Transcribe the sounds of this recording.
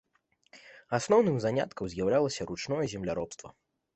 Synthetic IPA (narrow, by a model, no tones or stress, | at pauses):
asnɔwnɨmzanʲa̰t̪kɐwzʲjɐwlʲalˠɐsʲɐɾut͡ʂnɔjɛzʲɛmlʲaɾɔpst̪vɐ̰